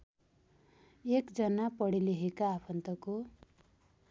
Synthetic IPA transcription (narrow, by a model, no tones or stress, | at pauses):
ekd͡zʌnapʌɽileɦekaːpʰʌnt̪ʌko